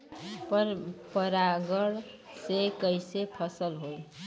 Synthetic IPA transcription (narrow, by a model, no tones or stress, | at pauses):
pɾpəɾaɡəɽ | sekəjsepʰʌsəlɦoj